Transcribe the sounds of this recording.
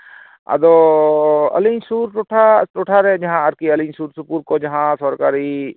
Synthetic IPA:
a̰d̪ɔ | ə̰liɲsuɾʈɔʈʰaʈuʈʰaɾɛd͡ʒaɦãəɾkiəliɲsuɾsupuɾkɔd͡ʒaɦãsɔɾkaɾi

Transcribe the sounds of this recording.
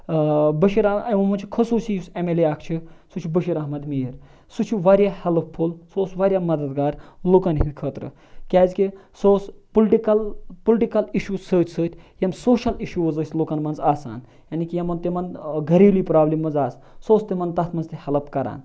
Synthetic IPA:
bəʃiɾɐɐʋɐmɐnt͡ʃʰi̥kʰɐsuːsijusemeleaːkʰt͡ʃʰisut͡ʃʰubəʃiɾɐɦmɐd̪miːɾ | sut͡ʃʰiʋaːɾjahelpʰːulsoːsʋaːɾʲjaːmɐd̪ɐd̪ɡaːɾloːkɐnɦid̪ʲkʰəːt̪ɾɨ̰ | kʲaːzʲkisoːspulʈikɐlpulʈikɐliʃuːsəːt͡ʃʰsəːt̪ʲjɐmsoːʃɐliʃuɐzəsʲloːkɐnmɐnzaːsa̰ːn | jaːnikijɐmɐnt̪imɐnɡʱɐɾiːliːpɾaːblimːɐnzaːs | soːst̪imɐnt̪ɐt̪ʰmɐnzt̪ihɐlpkɐɾa̰ːn

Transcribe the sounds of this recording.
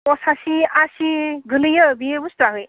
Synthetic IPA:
pɔsasiasiɡɯlɯjʌbijebustaɦɯj

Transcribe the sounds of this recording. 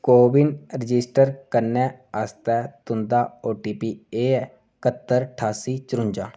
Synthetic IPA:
koːbɪnɾɪd͡ʒɪsʈəɾkəɾnɛ̃ːaːst̪ɛːt̪ʊnd̪aːoːʈiːpiːeːɛː | kət̪ːəɾʈʰaːsiːt͡ʃəɾʊ̃ɲd͡ʒãː

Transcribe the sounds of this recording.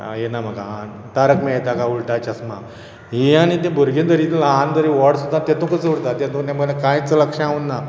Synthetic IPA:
jenam̤əɡa | t̪aɾəkmeɭt̪akauɭʈat͡ɕasma̰ | ɦiañit̪ẽbʱuɾɡĩnd̪əɾit̪laɦãnd̪əɾiʋɔɽsud̪ʱat̪et̪ũkəsəʋuɽt̪at̪et̪ũt̪aməɡlakãjt͡sələkʂəaunːa

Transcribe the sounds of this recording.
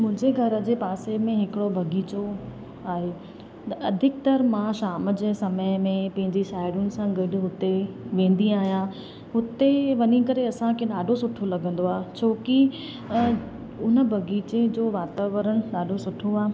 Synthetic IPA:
mʊ̃ɦɪ̃ɲd͡ʑeɡʱɐɾd͡ʑeːpaːsemẽɦɪkɪɽobʱɐɡiːt͡ɕo | aːɦeː | t̪ɐʔɐd̪ʱɪk̚t̪ɐɾmãːʃaːməd͡ʑesɐməɪmẽpɐ̃ɦɪ̃ɲd͡ʑiʃaːɪɾʊnɪ̆sãɡɐɖʱɦʊt̪eʋẽːn̆d̪iaːɦijã | ɦʊt̪eʋɐnikɐɾeɐsãkʰeɗaːɖʱosʊʈʰolɐɡə̃nd̪oaːt͡ɕʰoːki | ʊnə̆bʱɐɡiːt͡ɕed͡ʑoːʋaːt̪aːʋəɾəɽ̃ɗaːɖʱosʊʈʰoaː

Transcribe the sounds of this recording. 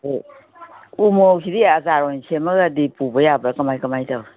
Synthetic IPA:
umokʰidiazaɾɔnsʰemaɡadipubɐjabɾakɐmajkamajtʰaw

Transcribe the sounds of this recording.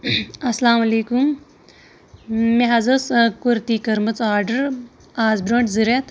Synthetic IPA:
ɐslaːmɐleːkum | meɦɐzɐskuɾt̪iːkɐɾmɐt͡saːɾɖəɾ | aːzbɾõːɳʈziɾet̪ʰ

